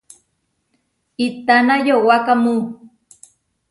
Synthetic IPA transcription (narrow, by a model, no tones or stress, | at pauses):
it̪anajowakamu